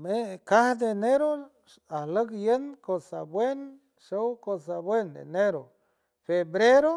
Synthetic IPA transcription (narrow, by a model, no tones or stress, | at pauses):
mekahd̪eneɾo | ahləkjenkosa̰bwen | ʃowkosabwend̪ḛneɾo | febɾeɾo